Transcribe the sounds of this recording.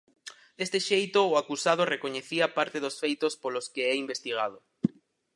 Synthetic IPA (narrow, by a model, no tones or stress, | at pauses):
d̪est̪eʃejt̪oːakusað̞orekoɲeθiapaɾt̪eðʊsfejt̪ospoloskeɛimbest̪iɣ̞að̞ʊ